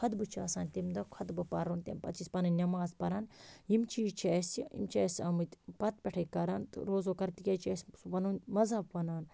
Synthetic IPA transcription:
kʰɐd̪bɨt͡ʃʰɐsaːnʲt̪imd̪ɐkʰɐd̪bɨpɐɾunt̪ʲḛmpɐt̪t͡ʃispɐnɐnʲɐmaːzpɐɾɐnjimt͡ʃʰiːt͡ʃʰesḭmt͡ʃʰesʲɐmɨt̪ʲpɐt̪̚pʲɛʈʰɐkɐɾɐnt̪ɨ̰ɾoːzoːkɐɾt̪ikʲet͡ʃʰesʲsupɐnunmɐzɐpʋɐnaːn

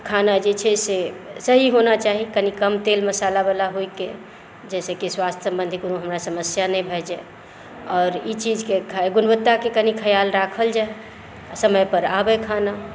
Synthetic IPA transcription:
kʰanad͡ʒet͡ʃʰɛsesəɦiɦonat͡ʃaɦikənikəmt̪elməsalabelaɦoike | d͡ʒɛsəkiswast̪ʰjəsə̃mbə̃nd̪ʱikonoɦəmɾasəməsjanɛ̃bʱɛd͡ʒɛ | ɔːɾit͡ʃid͡ʒkekʰaɡʊnbət̪ːakekənikʰəjalɾakʰəld͡ʒae | asəməjpəɾabɛkʰana

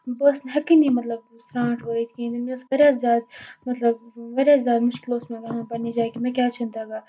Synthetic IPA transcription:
bɐsnɦɐkinimɐt̪lɐb̚ | sɾãːɳʈɦoːit̪ʰkĩːd̪imẽsɣɐɾʲjaːzjaːd̪̚mɐt̪lɐbʋɐɾʲjaːzjaːd̪mʊʃkɪloːsmẽɡɐɦãːbɐnid͡ʒaːkimẽkjaːt͡ʃʰɐ̃nd̪aɡaː

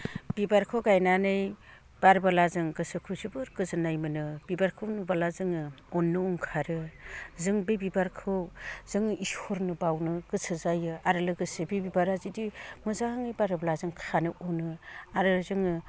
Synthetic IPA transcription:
b̥ibaɾkʰɯwɡajnanɯj | b̥aɾbalazɯŋɡɯsɯkʰusibɯɾɡɯzɯnajmɯnɯb̥ibaɾkʰɯwnɯbalazɯŋɯɔnːɯɔŋkʰaɾɯzɯŋbebibaɾkʰɯwz̥ɯŋɯisɔɾnɯbawnɯɡ̥ɯsɯzajɯaɾɯlɯɡɯsɯbibibaɾazidimɯzahaŋɯjbaɾbalazɯŋkʰanɯʔɔnɯaɾɯlɯzɯŋɯ

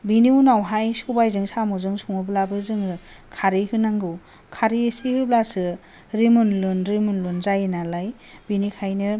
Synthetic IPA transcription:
biniunawɦajsubajzɯŋsamɯzɯŋsʰuŋɯblabɯzɯŋɯ | kʰaɾihɯnaŋɡɯw | kʰaɾiesihɯblasɯ | ɾimunlɯnɾimunlɯnzajɯnalaj | binikʰajnɯ

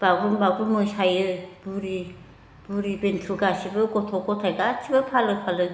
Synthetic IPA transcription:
b̥aɡunbaɡumɯsajɯb̥uɾi | b̥uɾibentʰuɡasibɯɡɔtʰɔkʰɔtʰajɡatʰibɯpʰalɯpʰalɯ

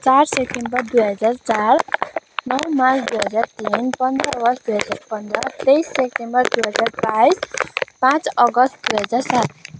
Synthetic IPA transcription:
t͡sarsep̚ʈembʌrd̪uɦʌd͡zart͡saɾnʌwmasʰd̪ujɦʌd͡zart̪inpʌnd̪ɾʌɡʌsd̪uɦʌd͡zaɾpʌnd̪ɾʌt̪ejsːek̚ʈembʌrd̪uɦʌd͡zarbajspãt͡sʌɡʌst̪̚d̪uɦʌd͡zarsat̪̚

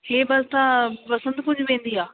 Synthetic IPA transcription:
heːbɐlt̪ãpɐsə̃nd̪kʊd͡ʑʱʊʋẽːn̆d̪iaː

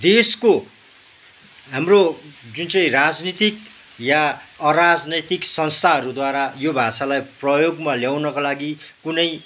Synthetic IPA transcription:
d̪esko | ɦamrod͡zunt͡sʌĩrad͡znit̪ik | jaʌɾad͡znʌt̪iksʌnst̪ʰaɦʌɾud̪waɾajobʱasalajprʌjoɡmaljawnʌkolaɡikunʌj

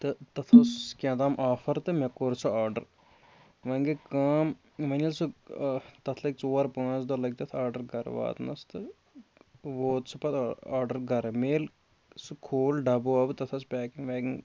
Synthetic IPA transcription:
t̪ɨt̪ɐt̪ʰɐskʲãːt̪aːmʔaːfɐɾt̪ɨmɐkːoɾt͡sʰuaːɾɖɐ̰ɾ | ʋɐŋɡekaːm | ʋɐnʲɐlsu | t̪ɐt̪ʰlɐɡ̚ʲt͡soːɾpãːt͡sd̪olɐɡ̚ʲt̪ɐt̪ʰaːɾɖɐɾɡɐɾʋa̰ːt̪nɐ̰st̪ɨ | ʋoːt̪sʰɨpɐt̪ʰaːɾɖɐɾɡɐɾmeːl | sɨkʰoːlɖɐboɐbɨt̪ɐt̪ʰɐspʲɛːkiŋʋɛːɡiŋ

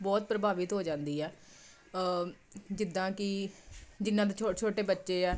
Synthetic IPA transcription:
bɔːt̪̚pɾəbaːʋɪt̪ɦoːd͡ʒãːnd̪iːɛː | d͡ʒɪd̪ːãːkɪ | d͡ʒɪnːãːt̪̬eot͡ʃʰoːʈeːbətːʃeːɛː

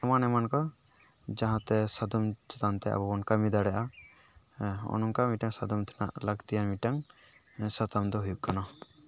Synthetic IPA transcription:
ɛmanɛmankɔ | d͡ʒãɦãt̪ɛsad̪ɔmt͡ʃɛ̥t̪ant̪ɛa̰bɔɔnkamid̪aɽɛʔa | ɔ̰nɔŋkamiʈaŋsad̪ɔmt̪ʰɛ̥na̰ʔlaɡt̪ijanmiʈaŋ | sat̪amd̪ɔɦujuʔkanɔ

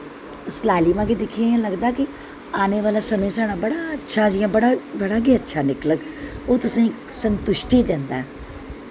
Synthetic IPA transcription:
slaːlimãːked̪ɪkʰiãlɐɡd̪aːki | aːneʋaːlasɐməsaːɽ̃ãbɐɽaɐtːʃʰad͡ʒijãbɐɽabɐɽaːɡeətːʃʰanɪkləkoːt̪ʊsã | sə̃nt̪ʊʃʈiɗə̃ːnd̪aːɦɛː

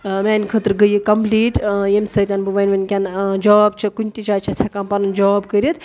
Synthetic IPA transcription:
meːnʲkʰət̪ɾɡəjikɐmpliːʈjemʲsət̪ʲanbɨʋɐnʲʋɐnʲkʲand͡ʒɔːbt͡ʃʰɐkunʲt̪it͡ʃaːt͡ʃʰɐsʲakɐmpɐnɨnd͡ʒɔːbkəɾʲit̪

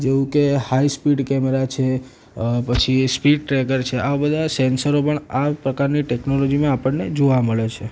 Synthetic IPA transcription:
d͡ʒeũkehaispiɖkɛmeɾat͡ʃʰe | pət͡ʃʰispiɖ̚ʈɾekəɾt͡ʃʰeaʋabəd̪ʱasɛnsəɾopəɳapɾəkaɾniʈɛknolod͡ʒimãapəɳned͡ʒoʋaməɭet͡ʃʰe

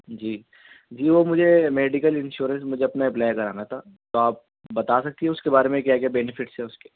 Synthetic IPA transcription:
d͡ʒiː | d͡ʒiːʋomʊd͡ʒʱemeːɖɪkəlɪ̃nʃuːɾə̃nsmʊd͡ʒʱeɐpnaɛp̬laːjkɐɾa̰ːnat̪ʰa | t̪oaːp̚ | bɐt̪aːsɐk̚t̪iɦɛʊskebaːɾemẽkjaːɡejabɛnɪfɪʈsɛʊske̥

